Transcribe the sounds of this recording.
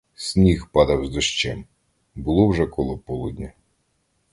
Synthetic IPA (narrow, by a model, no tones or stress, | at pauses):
sʲnʲixpɑd̪ɐwzd̪ɔʃt͡ʃɛm | bʊlˠɔwʒɛkɔlˠɔpɔlˠud̪ʲnʲɐ